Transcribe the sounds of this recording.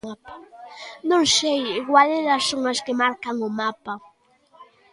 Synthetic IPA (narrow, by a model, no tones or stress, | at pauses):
apḁnoŋʃejɪɡwaleɾaʃʊŋaʃkemaɾkaŋʊmapa